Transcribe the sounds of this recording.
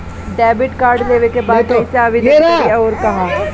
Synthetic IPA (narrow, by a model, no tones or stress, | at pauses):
ɖɛːbɪʈkaːɾɖleːʋekebaːd̪̚eɪsaːʋid̪eoːɾkɐɦãː